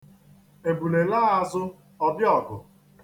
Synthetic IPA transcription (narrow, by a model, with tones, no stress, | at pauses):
e˨bu˨le˨la˦a˦zʊ˦ | ɔ˦bjɔ˨ɡʊ˨